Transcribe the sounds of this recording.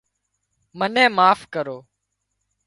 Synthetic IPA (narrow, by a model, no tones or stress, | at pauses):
mənɛ̃ːmaːfkəɾoː